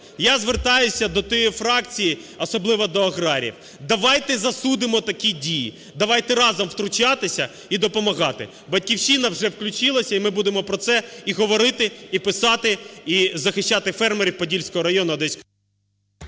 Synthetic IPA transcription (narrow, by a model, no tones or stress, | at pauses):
jazʋert̪ɑjʊsʲɐd̪ɔt̪ɔjifɾɑk̚t͡sʲiji | ɔsɔblˠɪʋɐd̪ɔɐɣɾɑɾʲḭw | d̪ɐʋɑjt̪ɛzɐsud̪ɪmɔt̪ɐkʲidʲiji | d̪ɐʋɑjt̪ɛɾɑzɔmwt̪ɾʊt͡ʃɑt̪ɪsʲɐ | id̪ɔpɔmɐɣɑt̪ɪ̰ | bɐd̚ʲkʲiwt͡ʃinɐwʒɛwklʲʊt͡ʃɪlˠɐsʲɐimɪbud̪emɔpɾɔt̪sɛiɦɔʋɔɾɪt̪ɪipɪsɑt̪ɪizɐxɪʃt͡ʃːat̪ɪfɛrmeɾʲiwpɔdʲilʲsʲkɔɦɔɾɐjɔnʊɐd̪ɛsʲ